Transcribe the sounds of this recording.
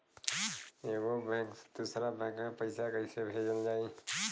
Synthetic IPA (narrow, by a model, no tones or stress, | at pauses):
eːɡobɛ̃ːkd̪̥usɾabɛ̃ːkmẽpəɪsakəɪsebʱed͡ʒəld͡ʒaːi